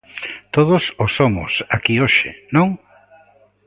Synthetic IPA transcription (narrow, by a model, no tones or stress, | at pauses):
t̪oðʊsʊsomʊ̰sakioʃḛnõŋ